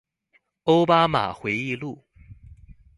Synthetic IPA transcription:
o˥ʊpa˥ma̰˨˩xwe˧˥ɪi˥˧lu˥˩

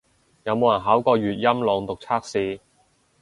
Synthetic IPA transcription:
jɐ˨˧wmo˨wjɐ˨˩nɦaː˨˥wkɔː˧ɥyː˨t̚jɐ˥mlɔː˨ŋt̪ʊ˨k̚t͡sʰaː˥k̚siː˨˧

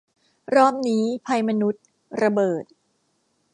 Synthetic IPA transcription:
ɾɔː˦˥p̚niː˦˥pʰa˧jma˧nu˦˥t̪̚ | ɾa˧bɤː˨˩t̪̚

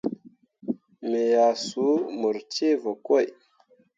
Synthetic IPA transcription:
me˨ja˨su˨˦mu˨ɾt͡ʃe˦va˨kwo˦˨j

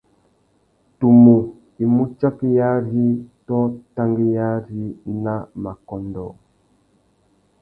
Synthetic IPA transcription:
tu˨mu˨ | i˨mu˦t͡ʃa˦ki˦ja˦ɾi˦tɔ˦ta˦ŋɡi˦ja˦ɾi˦na˦ma˨kɔ˨ndɔ˨

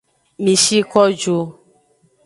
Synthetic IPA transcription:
mĩ˨ʃi˦kɔ˦d͡ʒo˧

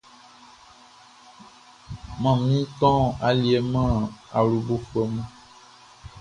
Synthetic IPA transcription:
mã˨mĩ˦t̪ɔ̃˦a˨li˨e˨mã˦a˨lu˨bo˦fɛ˨mã˦

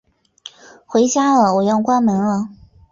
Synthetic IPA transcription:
xwe˧˥ɪt͡ɕja˥lə˨wɔ˨˩jɑ˥˩ʊkwa˥nmə˧˥nlə˧

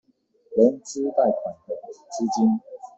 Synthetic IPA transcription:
lə˨˧˦nt͡s̩˦t̪a˥˨ɪka˨˩nt̪ə˨˩˨t͡ɕi˦t͡ɕi˦n

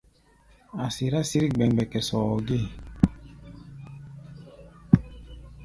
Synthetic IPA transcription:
a˨si˨ɾa˦si˦ɾi˦ɡ͡bɛ˨ŋ˨bɛ˨kɛ˨sɔ˨ɔ˨ɡe˦˨

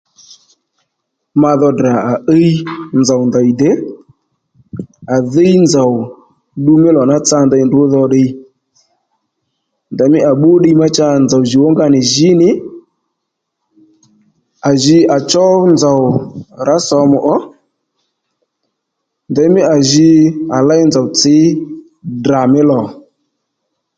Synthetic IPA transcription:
ma˧ðɔ˧da˨a˨ʔe˦i˦nd͡za˨wnda˨i˨dɛ˦ | a˨ðe˦jnd͡za˨w | ɗu˧mɪ˦lɔ˨na˦t͡sa˧nda˧˨ndʊ˨˦ðɔ˧ɗɪ˧ | nda˨mɪ˦ʔa˨ɓʊ˦ɗi˧ma˦t͡ʃa˧nd͡za˨wʒi˨wo˦ŋɡa˧nɪ˨ʒɪ˨˦nɪ˨˦ | a˨ʒɪ˧ʔa˨t͡ʃɔ˦nd͡za˨wɾa˨˦sɔ˧mʊ˨ʔɔ˦ | ndɛ˨˧˦mɪ˦a˨ʒɪ˧a˨la˦jnd͡za˨wt͡sɪ˨˦ | da˨mɪ˦lɔ˨

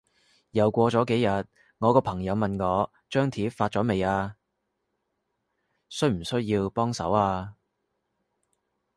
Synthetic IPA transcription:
jɐ˨˩wkʷɔː˧t͡sɔː˨˥ke˨˥jɐ˨t̚ | ŋɔː˨˧kɔː˧pʰɐ˨˩ŋjɐ˨˧wmɐ˨nŋɔː˨˧ | t͡ʃœː˥ŋt̪ʰiː˨˥faː˧t̚t͡sɔː˨˥me˨jaː˧ | sɵ˥ɥm̩˨˩sɵ˥ɥjiː˧wpɔː˥ŋsɐ˨˥waː˧

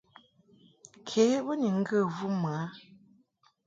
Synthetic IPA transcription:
kʰe˨˦bə˦ni˨ŋ̩˦ɡə˦˨vu˦m˨a˦

